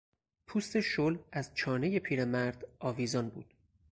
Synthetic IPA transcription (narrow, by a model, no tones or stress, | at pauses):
pʰuːst̪e̞ʃolæzt͡ʃʰɒːne̞je̞pʰiːɾemæɾd̪̥ɒːviːzɒːnbṵːd̪̥